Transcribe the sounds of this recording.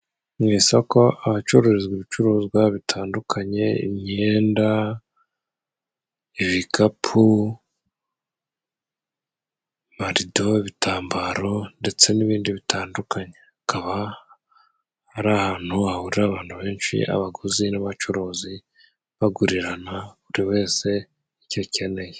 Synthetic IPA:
mŋiːsako̞aβat͡ʃuɾoɾezɡiβit͡ʃuɾuːzɡwaβitʰaːndukʰaɲe̞ḭmɲe̞ːnda | iβikʰapʰu | maɾido̞iβitʰaːmbaɾo̞nde̞t͡se̞niβiːndiβitʰaːndukʰaɲe̞akaβa | ɾaːhaːn̥huahuɾiɾaːβaːnhuβe̞ːnʃḭʔa̰βaɡozinaβat͡ʃuɾuːzi | βaɡuɾiɾanaβuɾiwe̞ːse̞ | icoce̞ne̞je

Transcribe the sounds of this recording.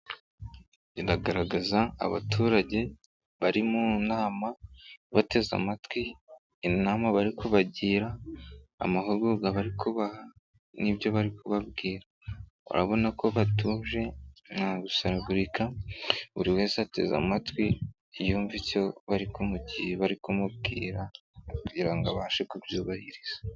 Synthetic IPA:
iɾaɡaɾaɡaza̰ːβa̰tuːɾaɟe̞ | βaɾimunaːmaβate̞za̰matwiː | naːmaβaɾikʰuβaɟiːɾa̰ː | maɦuβɡuːɡaβaɾikʰuβaha | nibjo̞βaɾikʰuβabɡiːɾa | ṵɾa̰βo̞nako̞βatuːʒe̞naːɡusaɾaɡuɾikaβuɾiwe̞ːsate̞̰za̰matwi | juːɱvico̞βaɾikomuɟiheβaɾikomub̚ɡḭːɾa | kuɟiɾaŋɡaβaʃekubjuːβahiɾiz̥ḁ

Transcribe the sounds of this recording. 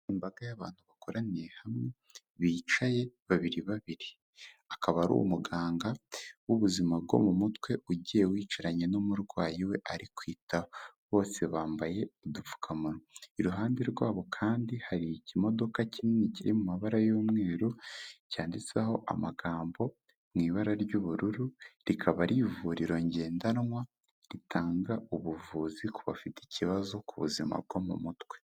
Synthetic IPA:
imbaɡajaβa̰ːn̥huβakoɾanehamŋe | βiːt͡ʃaje̞βaβiɾiβaβiɾi | akaβaɾṵwṵmuɡaːŋɡawuβuzimab̚ɡo̞̰mumutwe̞ʔuɟijewiːt͡ʃaɾaɲe̞nomuɾɡwaːjiwe̞ʔaɾikwiːtʰaβo̞ːse̞βaːmbaje̞udufu̥kʰamunoiɾuɦaːndiɾɡwaːβo̞kʰaːndihaɾicimo̞do̞kacimŋiciɾimumaβaɾajoːmŋeːɾocaːndit͡seho̞ʔa̰maɡaːmbo̞ | mŋiːβaɾaɾɟuβuɾuɾuɾikʰaβaɾivuɾiɾo̞ɲɟe̞ːndanŋwa | ɾitʰaːŋɡauβuvuːzikʰuβafiti̥ciβazo̞kuβṵzima̰b̚ɡo̞mṵmutwe̞̥

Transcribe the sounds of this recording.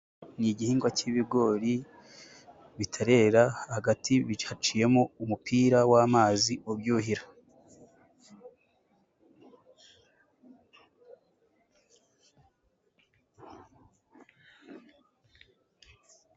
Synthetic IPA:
niɟihiːŋɡwaciβiɡo̞ɾi | βitʰaɾe̞ɾahaɡatʰiβiat͡ʃije̞moumupiːɾawaːmaːziobjuɦiɾa

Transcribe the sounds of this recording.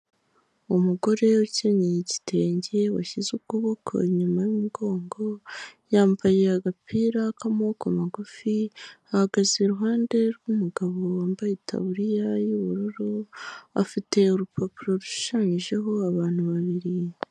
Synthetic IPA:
umuɡo̞ɾe̞wuceɲeɲeɟi̥tʰe̞ːɲɟe̞wa̰çizukuβokʰo̰ɲumajumuɡo̞ːŋɡo̞jaːmbajeaɡapiːɾakamoːkamaɡufiahaɡazeɾuɦaːnde̞ɾɡumuɡaβo̞waːmbajitʰa̰βuɾijajuβuɾuɾua̰fite̞uɾupʰapuɾo̞ɾu̥ʃaːɲiʒe̞ɦo̞aβaːn̥huβaβiɾi

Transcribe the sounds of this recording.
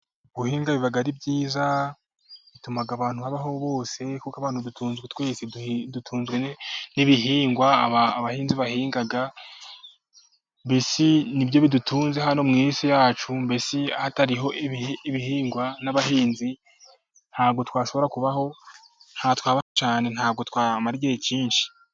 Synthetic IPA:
ɡ̥uhiːŋɡaβiβaɡaɾibjiːza | βitumaɡaβaːn̥huhaβaɦo̞βo̞ːse̞kukaβaːn̥udutʰuːnzɡetwe̞ːsedutʰuːnzɡweniβiɦiːŋɡwaːβaːβahiːnziβahiːŋɡaɡa | mbesinibjo̞βidutʰuːnzehɦano̞mŋiːsijaːt͡ʃumbesihataɾiɦo̞ʔiiβihiːŋɡwanaβaɦiːnzi | n̥haːbɡo̞twaːʃo̞βo̞ɾakuβaho̞ | n̥hatwaːβahot͡ʃaːne̞nhaːb̚ɡo̞twaːmaɾɡejiciːnʃi̥

